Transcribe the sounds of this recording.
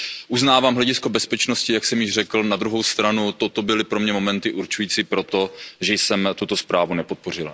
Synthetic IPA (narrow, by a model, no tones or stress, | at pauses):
ʔuznaːvaːmɦlɛɟɪsko̞bɛspɛt͡ʃnoscɪjaksɛmjɪʒrɛkl̩nad̪ɾuɦo̞wst̪ɾanut̪o̞t̪o̞bɪlɪpɾo̞mɲɛmo̞mɛnt̪ɪʔuɾt͡ʃujiːt͡sipɾo̞t̪o̞ʒɛjsɛmt̪ut̪o̞spɾaːvunɛpo̞t̪̚po̞r̝ɪl